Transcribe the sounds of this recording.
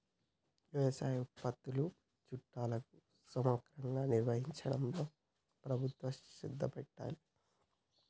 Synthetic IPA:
jujesaːuʈpɐt̪ːulu | t͡ʃuʈːaːlɐku | sɐmoːkɾɐŋɡaːniɾʋɐɦiɲt͡ʃɐɽɐmloː | pɾɐbʱut̪ʋɐsid̪ʱːɐpɛʈːa̰ːli

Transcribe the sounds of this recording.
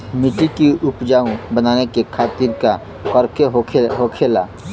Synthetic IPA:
mɪʈikiʊpd͡ʒaːũbənaːnekekʰaːt̪iɾka | kɔɾkʰeɦʰeɦokʰeːlaː

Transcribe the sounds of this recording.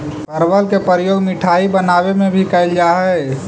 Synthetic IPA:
pəɾʋəlkepɾəɾjoːɡmiʈʰaːibənaːwemẽbʱikəɪld͡ʒaɦɛ

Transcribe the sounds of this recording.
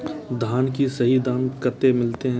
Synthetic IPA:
d̪ʱaːnkisɐɦid̪aːnkɐt̪ːemɪlt̪eɦɛ̃

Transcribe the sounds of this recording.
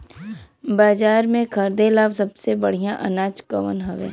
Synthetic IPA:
baːd͡ʒaːɾmẽkʰɐɾd̪elaːbsɐbsebɐɽ̤ijãʔɐnaːt͡ʃkɐʋə̰nɦɐʋḛː

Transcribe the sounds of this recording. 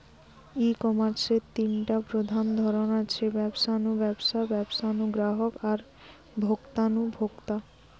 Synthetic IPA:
ikɔmaɾset̪inʈapɾod̪ʱand̪ʱɔɾonat͡ɕʰebɛbʃanubɛbʃabɛbʃanuɡɾaɦokaɾ | bʱokt̪anubʱokt̪a

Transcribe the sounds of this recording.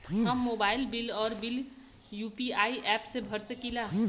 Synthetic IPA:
ɦəmːoːbaːɪlbɪlɔːɾbɪl | juːpiaːiʔɛːpsebʱəɾsəkilaː

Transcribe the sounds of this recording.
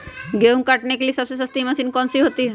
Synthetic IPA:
ɡeũŋkaʈnekelisɐbsesɐst̪imɐsiːnkɔnsiɦoːt̪i

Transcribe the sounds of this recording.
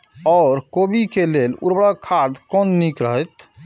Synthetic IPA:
ɔːɾkobikelelṵɾbɽəkʰːad̪kɔnːikɾəɦəjt̪

